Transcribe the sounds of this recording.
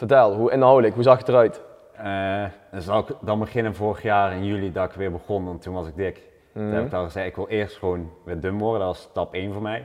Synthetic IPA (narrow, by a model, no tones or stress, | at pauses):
fəɹtɛlˠɦuɪnɦʌwləkɦuzɑxətərœɥt | ənzɑkdɑnbəχɪnənvʊːrəχjaːrɪnjylidɑɪkʋɪːɹbəχɔnɑntːunʋɑsɪɡ̚dɪk | tunɛbɪkʋɛlˠχəzɛɪkʋɪlˠɪːɹstχəʋonʋɪːɹdɵmʋɔɹdədɑtʋɑstɑpejnvʊːɹmɛj